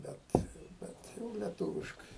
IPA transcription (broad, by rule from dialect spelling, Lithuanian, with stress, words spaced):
ˈbʲɛt ˈbʲɛt jɛʊ lʲɛˈtuːʋʲɪʃkɐɪ